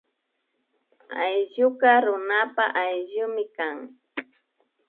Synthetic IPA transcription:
a̰jʎʊkɑɾʊnapaʔajʎʊmɪkaŋ

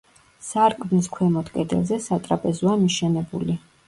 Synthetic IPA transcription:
saɾkʼmniskʰwɛmɔt̪ʰkʼɛd̪ɛ̰lˠzɛsat̪ʼɾapʼɛzɔamiʃɛnɛbṵli

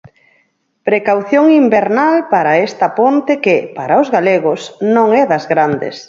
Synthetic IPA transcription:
pɾekawθjoŋimbeɾnalpaɾɐest̪ɐpont̪ekɪpaɾaʊzɣaleɣʊsnõŋɛðɐzɣɾand̪ḛs

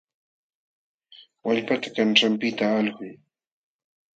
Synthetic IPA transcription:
waʎpat̪ḁkanʈ͡ʂampɪt̪aːlɢʊj

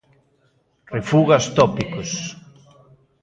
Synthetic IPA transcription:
refuɣast̪ɔpikos

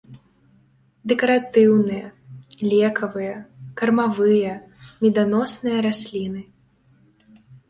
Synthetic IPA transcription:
d̪ɛkɐɾat̪ɨwnɨjɐlʲɛkɐvɨjɐkɐrmavɨjɐ | mʲɛd̪anɔsnɨjɐɾasʲlʲinɨ

